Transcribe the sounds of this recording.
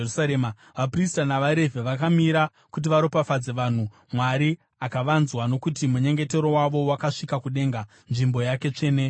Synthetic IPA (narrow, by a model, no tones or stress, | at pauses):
usaɾema | ʋapristanaʋaɾe̞vʱeʋakamiɾa | kut̬iʋaɾo̞pafad͡ze̞ʋan̤u | mwaɾi | akaʋanzwano̞kutimuɲe̞ŋɡe̞te̞ɾo̞waʋo̞wakaʂikakuɗe̞ŋɡa | nʐimbo̞jake̞t͡ʂe̞ːne